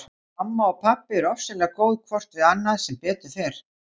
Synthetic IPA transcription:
mamːaɔpʰapːɪɛɾɔfsɛlɛːɣakoːwðkʰvɔr̥t̪vɪðanːaðsɛmpɛːt̪ʏ̥θejɾ̥

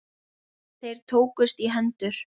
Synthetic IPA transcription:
θejɾ̥t̪ʰoːwkʏst̪iɦɛnt̪ʏɾ̥

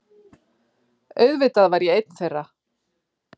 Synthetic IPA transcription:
œɥðvɪt̪aðvaɾjɛejt̪̚n̥θɛjrːa

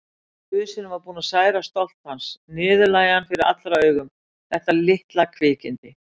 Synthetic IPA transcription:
fʏðsɪnʏmvaɾpuːnasaːjɾast̪ɔl̥t̪hansnɪːðʏlaːjanfɪɾɪɾa̰t̪lɾaœːɥɣʏm | θɛht̪alɪht̪lakʰvɪːcɪnt̪ɪ

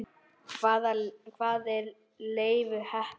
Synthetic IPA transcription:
kʰvaːðakʰvaːðɛɾ | leːjvʏhɛh

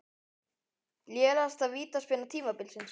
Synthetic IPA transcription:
ljɛːlast̪aðviːt̪aspɪnat̪ʰiːmapɪlsɪns

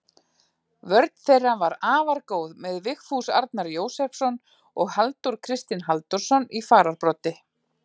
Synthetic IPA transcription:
vœɾt̪n̥θejrːanvaɾaːvaɾkoːwðmɛðvɪxfusa̰ɾt̪naɾjoːwsɛfsɔn | ɔɣhalt̪uɾ̥kʰɾɪst̪ɪnɦalt̪ɔɾ̥sɔnifaːɾaɾpɾɔt̪ɪ

